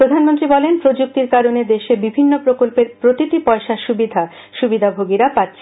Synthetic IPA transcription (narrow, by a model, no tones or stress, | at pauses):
pɾod̪ʱanmont̪ɾibɔlenpɾod͡ʑuk̚t̪iɾkaɾoned̪eʃebibʱinːopɾokolpeɾpɾot̪it̪ipɔeʃaʃubid̪ʱa | ʃubid̪ʱabʱoɡiɾapat̪ːɕʰe